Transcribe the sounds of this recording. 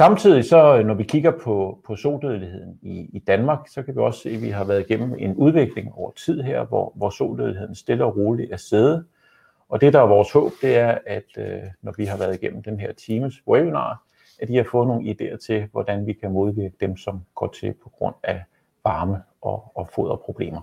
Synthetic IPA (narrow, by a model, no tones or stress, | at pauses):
sɑ̈mt͡sʰið̰ˠisɒ̽nɒʋikʰiɡ̥ɐpʰɒ̽pʰɒ̽so̝̰ːd̥øðˠlihe̝ð̰ˠn̩iːd̥ænmɑ̈ːɡ̥sɒ̽kʰæʋiɒ̽sse̝̰ːʋiɦɑ̈ʋæːɐðˠiɡ̥em̰m̩e̝nuð̞ˠʋe̝ɡ̥le̝ŋɒʊ̰ɐt͡sʰið̞̰ˠɦeɐ̰ʋɒ̰ʋɒso̝̰ːd̥øðˠlihe̝ðˠn̩sd̥e̝lɐɒʁo̝ːliæɐseðˠə | ɒ̽d̥e̝d̥ɑ̈æɐʋɒːshɔ̰̽ːb̥d̥e̝æɐæd̥ønɒʋiɦɑ̈ʋæːɐð̞ˠiɡ̥en̰m̩d̥enɦeɐ̰t͡sʰiːməsebinɑ̰̈ː | æd̥ihɑ̈fɔ̽ːðˠno̝ːn̩id̥e̝̰ːɐt͡sʰe̝ʋɒd̥ænʋikʰæmo̝ð̞ˠʋiɐɡ̥əd̥emsɒ̽mɡ̥ɒ̰ːt͡sʰe̝lpʰɒ̥̽ɡ̥ʁɔ̽n̰æ | ʋɑ̈ːməʔɒɒ̽fo̝ðˠɐpʰʁo̝b̥le̝̰ːmɐ